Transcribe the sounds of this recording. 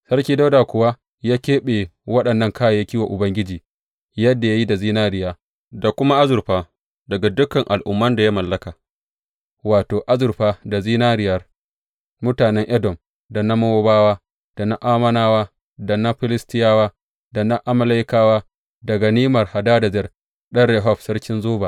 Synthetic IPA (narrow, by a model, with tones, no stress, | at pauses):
sɐ˦rkʲiː˦da˦wdaː˨kʷʊ˨wa˦ | jaː˦kʲeː˦ɓe˨wɐ˦ɗɐ˨nːɐ˦ŋkaː˦jja˦kʲiː˦wa˨ʔʊ˨bɐ˦ŋɡʲɪ˦d͡ʒiː˨ | jɐ˦dːa˨ja˦ji˦da˨ziː˦naː˦ɾɪ˨jaː˦ | da˨kʷʊ˦ma˦ʔa˦zʊ˨ɾɸaː˦ | dɐ˨ɡa˨dʊ˦kɐ˨ŋʔa˨lʔʊ̰˨mːɐ˦nda˨ja˦mɐ˨lːɐ˦kaː˨ | waː˨toː˨ʔa˦zʊ˨ɾɸaː˦da˨ziː˦naː˦ɾɪ˨jɐ˦r | mʊ˦taː˨nɛ˦ŋʔɛ˦dɔ˨m | da˨na˦mɐ˦wo˦baː˦waː˦ | d̥a˨na˦ʔaː˦mɐ˦naː˦waː˦ | da˨na˦ɸɪ˦lɪ˦stɪ˦jaː˦waː˦ | da˨na˦ʔa˦mɐ˦la˦jkaː˦waː˦ | dɐ˨ɡa˨niː˦mɐ˨rha˨daː˦da˨zɛ˦r | ɗɐ˦ɽɛ˨ɦɔ˦˨ɸsɐ˦ɽkʲɪ˦nzoː˦baː˨